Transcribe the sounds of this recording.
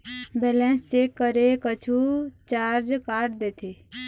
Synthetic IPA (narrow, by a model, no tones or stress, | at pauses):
bɛːlɛ̃nst͡ʃekəɾekət͡ʃʰut͡ʃaːɾd͡ʒkaːʈd̪eːt̪ʰe